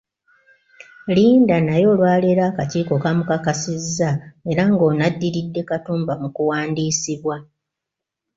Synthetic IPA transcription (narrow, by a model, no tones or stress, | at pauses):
liːndanajo̞ːlwaːleɾakaciːko̞kamukakasizːae̞ɾaŋɡo̞ːnadːiɾidːe̞katuːmbamukuwaːndiːsiβwa